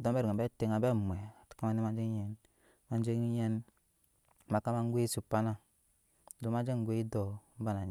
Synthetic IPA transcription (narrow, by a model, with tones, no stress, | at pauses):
dɔ˨˦bɛ˦ɾi˨a˨bɛ˦te˨ŋa˨bɛ˦˨mu˨ɛ˨tka˦ma˦ni˦ma˦d͡ʒe˦ŋ˦ɛ˦n | ma˦n˦d͡ʒe˦ŋ˦jɛ˦n | ma˨ka˦ma˦ŋ˦ɡʷe˦su˨pa˦na˦ | du˨ma˦d͡ʒe˦ŋ˨ɡʷe˦i˦dɔ˨m̩˦ba˦na˨